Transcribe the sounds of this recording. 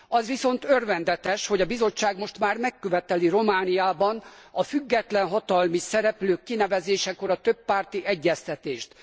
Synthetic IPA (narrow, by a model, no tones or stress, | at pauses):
ɒzʋiso̞nt̪ørvɛnd̪ɛt̪ɛʃho̞ɟɒbizo̞t͡ʃːaːɡmo̞ʃt̪maːrmɛkːøvɛt̪ɛliro̞maːnijaːbɒnɒfyɡːɛt̪lɛnɦɒt̪ɒlmisɛɾɛpløːkːinɛvɛzeːʃɛko̞ɾɒt̪øpːaːrt̪iʔɛɟːɛst̪ɛt̪eːʃt̪